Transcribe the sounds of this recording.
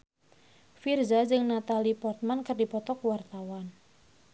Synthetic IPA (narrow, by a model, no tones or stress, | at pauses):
firzad͡ʒɨŋnat̪alipɔrt̪̚mankərdipɔt̪ɔkwart̪awan